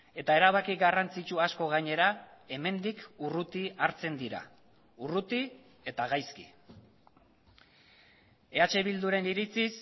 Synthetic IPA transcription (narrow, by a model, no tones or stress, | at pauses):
e̞t̪ae̞ɾaβakiɡarant͡sit͡ʃuasko̞ɣ̞aɲe̞ɾae̞me̞nd̪ikurut̪iaɾt͡se̞nd̪iɾa̰ | urut̪i | e̞t̪aɣ̞ajski̥ | e̞at͡ʃe̞βild̪uɾe̞niɾit͡sis